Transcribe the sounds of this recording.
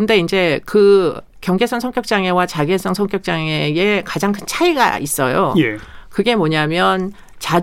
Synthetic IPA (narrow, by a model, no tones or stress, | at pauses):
kɯnde̞ind͡ʑe̞kɯ | kjʌŋd͡ʑe̞sʰʌŋsʰʌŋk͈jʌk̚t͡ɕ͈aŋe̞wat͡ɕaɡesʰʌŋsʰʌŋk͈jʌk̚t͡ɕ͈aŋee̞kad͡ʑaŋkʰɯnt͡ɕʰaiɡa̰is͈ʌjo̰jekɯɡe̞moɲamjʌn | t͡ɕa